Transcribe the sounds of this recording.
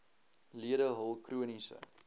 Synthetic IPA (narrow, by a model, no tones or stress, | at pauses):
liədəɦəlˠkruənisə̰